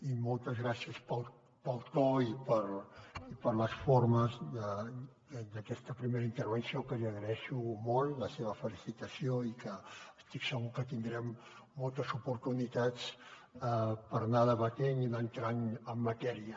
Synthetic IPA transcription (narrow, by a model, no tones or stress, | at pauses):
imɔlˠt̪əzɣɾasiəspəlˠ | pəlˠt̪ɔipəɾipəɾləsfoɾməzðə | d̪əkɛst̪əpɾimeɾəint̪əɾβənsijokəʒəɣɾɛʃumɔlˠləseβəfəlisit̪əsioikəːst̪iksəɣukət̪ind̪ɾɛmː | ɔlˠt̪əzupuɾt̪unit̪at͡s | əpəɾnaðəβək̪ɛɲinant̪ɾaŋəmːət̪ɛɾiə